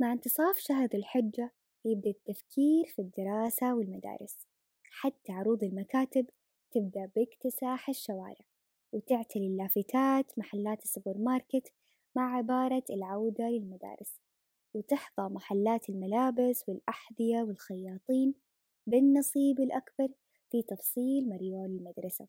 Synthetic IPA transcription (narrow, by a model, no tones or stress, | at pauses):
maʕɪnt̪ɨsˤɑːfʃaɦɾˤɪlħɪd͡ʒːa | jɪb̚d̪aʔt̪ːafkʰiːɾfid̪ːɪɾˤɑːsawɪlmad̪a̰ːɾˤɪs | ħat̪ːaʕɾuːd̪ˤɪlmakaːt̪ɪb | t̪ɪb̚d̪aʔbɪkt̪ɪsaːħaʃːawa̰ːɾɪʕ | wɪt̪ɪʕt̪ɪlɪlːaːfɪt̪ʰaːt̪maħalːaːt̪sːʊbɪɾmɑːɾˤkɪt̪ | maʕʕɪbɑːɾˤɑɪlʕawd̪alɪlmad̪a̰ːɾɪs | wɪt̪ɪħðˤɑmaħalːaːt̪ɪlmalaːbɪswɪlʔaħðˤɪjawɪlxajːɑːt̪ˤiːn | bɪnːɑsˤiːbɪlʔakbɑɾˤ | fit̪ɑfsˤiːlmɑɾjoːlɪlmad̪ɾˤɑsa̰